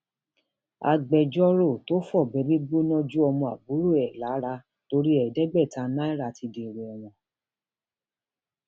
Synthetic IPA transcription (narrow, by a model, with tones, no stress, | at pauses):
a̰˧ɡ͡bɛ˧d͡ʒɔ˦ɾo˦˨to˦fɔ˦˨bɛ˨˦ɾi˦ɡ͡bo˦nɔ̃˦d͡ʒu˦ɔ˧mɔ̃˧˨a˨bu˨˦ɾu˦˨ɛ˨la˨˦ɾa˧ | to˧ɾi˦ɛ˨dɛ˦ɡ͡bɛ˦˨tã˧˦nã˦i˦˨ɾa˧˨ti˧de˨ɾɛ˨ɔ˨w̃ɔ̃˧˨